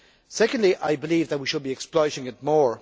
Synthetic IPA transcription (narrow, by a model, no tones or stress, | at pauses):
sɛkə̃ndˡliʔaɪbɪlˠiːvðət̚wiʃəd̚biɛksplɔɪɾɪ̃ŋɪt̚mɔɹ